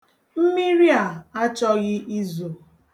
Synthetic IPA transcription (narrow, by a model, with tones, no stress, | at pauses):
m̩˦mi˦ɾi˦a˨a˦t͡ʃɔ˦ɣɪ˦ʔi˦zo˨